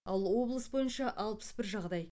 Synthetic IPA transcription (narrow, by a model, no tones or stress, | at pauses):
ɑlˠwo̞blˠəsbo̞jənʃɑʔɑlˠpə̥sbɪɾʒɑʁd̪ɑj